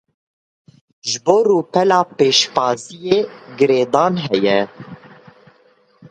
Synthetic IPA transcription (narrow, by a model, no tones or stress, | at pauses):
ʒɨboːɾuːpɛlɑːpeːʃpɑːzijeːɡɨɾeːd̪ɑːnɦɛjɛ